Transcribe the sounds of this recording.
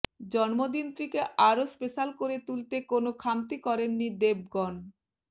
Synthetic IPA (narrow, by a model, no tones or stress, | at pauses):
d͡ʑɔnmod̪int̪ɾikeʔaɾospeʃalkoɾet̪ult̪ekonokʰamt̪ikɔɾenːid̪eb̚ɡɔn